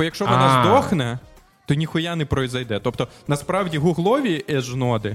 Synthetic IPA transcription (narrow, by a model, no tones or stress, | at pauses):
ɔjɐkʃt͡ʃɔʋɔɑzd̪ɔxnɛ | t̪ɔnʲixʊjanɛpɾɔjzɐjd̪ɛt̪ɔpt̪ɔnɐspɾɑwdʲiɦʊɦlˠɔʋʲiʔɛʒnɔd̪ɪ